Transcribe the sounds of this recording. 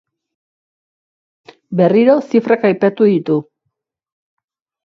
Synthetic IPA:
be̞riɾo̞sifɾakajpat̪uðit̪u

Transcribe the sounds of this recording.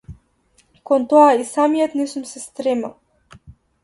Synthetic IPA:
kɔnt̪ɔaisamijɔt̪nɛsumsɛst̪ɾɛma

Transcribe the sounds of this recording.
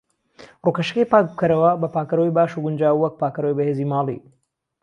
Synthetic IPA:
rukɐʃkejpaːk̚b̚kʰɐɾɐwɐbɐpaːkɐɾojbaːʃuɡʊnd͡ʒaːwwɐk̚paːkɐɾowjbɐheːziːmaːlḭ

